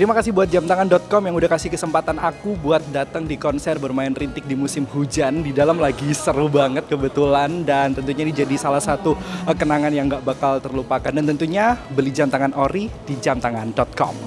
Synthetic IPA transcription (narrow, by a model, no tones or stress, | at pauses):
t̪əɾimakasɪhbuat̪̚d͡ʒamt̪aŋandɔt̪̚kɔmjaŋudahkasɪhkəsəmpat̪anakubuat̪̚dat̪əŋdikɔnsɛrbərmaɪnrint̪ɪk̚dimusɪmhud͡ʒandidalamlaɡisəɾubaŋət̪̚kəbət̪ulandant̪ənt̪uɲadid͡ʒadisalahsat̪ukənaŋanjaŋɡaʔbakalt̪ərlupakandant̪ənt̪uɲabəlid͡ʒamt̪aŋanoɾidid͡ʒamt̪aŋandɔt̪̚kɔ̰m